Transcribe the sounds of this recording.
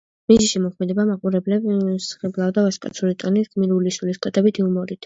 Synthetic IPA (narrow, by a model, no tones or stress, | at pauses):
miziʃimɔkʰmɛd̪ɛbamaqʼuɾɛblɛbsχɛblˠavd̪avaskʼa̰t̪sʰuɾit̪ʼɔnisɡmiɾulisuliskʼwɛt̪ʼɛbit̪ʰiumɔɾit̪ʰ